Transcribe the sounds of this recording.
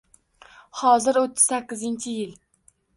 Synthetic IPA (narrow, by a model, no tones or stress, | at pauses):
hɒzɪɾot̪ʰːɪz̥sækʲːɪzɪnt͡ʃʰɪjɪl